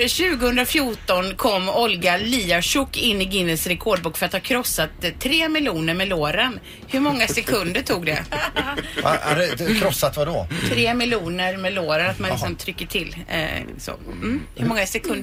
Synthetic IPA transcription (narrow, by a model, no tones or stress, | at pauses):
ɕʉ̟ːɡəhɵnd̪ɾafjuːʈɔnkʰɔmːɔlɡaliːaʂʊkːɪnːɪɡɪnːəsɾɛkʰɔːɖ̚buːkːfœɾat̪haɾkʰɾɔsːat̪ʰːɾeːmɪljuːnəɾmɛloːɾən | hɵɾmɔŋːasɛkʰɵnd̪əʈʰuːɡd̪ɛ̰ | a̰æ̰ɾɛkʰɾɔsːat̪vad̪ɔt̪ʰɾeːmɪljuːnəɾmɛloːɾənat̪mansɔmt̪ʰɾʏkːəʈʰɪl̰ːso̰m̩hɵmɔŋːasɛkʰɵnd̪